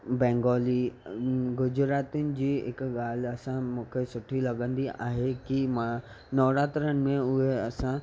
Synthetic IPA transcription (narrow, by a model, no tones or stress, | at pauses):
bɛ̃ːŋɡɔːli | ɡʊd͡ʑɾaːt̪ʊnɪ̆d͡ʑiːɦɪ̰kɠaːl̤ɐsãmũːkʰesʊʈʰilɐɠə̃nd̪ia̰ːɦekimã | nɔːɾãːt̪ɾənɪ̆mẽʊɦeɐsã